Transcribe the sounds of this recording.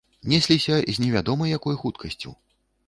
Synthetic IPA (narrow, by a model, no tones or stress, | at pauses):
nʲɛsʲlʲisʲɐzʲnʲɛvʲad̪ɔmɐjjakɔjxut̪kʰɐsʲt͡sʲṵ